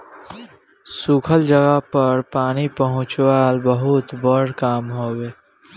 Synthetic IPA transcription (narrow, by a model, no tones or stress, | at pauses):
suːkʰəld͡ʒəɡapəɾpaːnipəɦʊ̃t͡ʃwaːlbəɦʊt̪bəɽ̤kaːmɦoːweː